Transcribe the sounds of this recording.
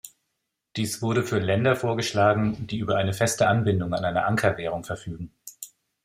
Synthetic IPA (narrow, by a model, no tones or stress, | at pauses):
d̥iːsv̥ʊɐɾəfyːɐlɛndɐfoːɐɡəʃlaːɡŋ̩d̥iːʔyːbɐʔaɪnəfɛstəʔanbɪndʊŋanʔaɪnɐ̰ʔaŋkʰɐvɛːʁ̞ʊŋfɛɐfyːɡŋ̩